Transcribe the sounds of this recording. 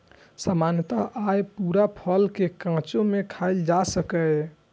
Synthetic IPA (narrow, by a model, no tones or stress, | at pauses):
samanjət̪əɦʔajpuɾapʰəlkekãt͡ʃõmekʰajld͡ʒasəkə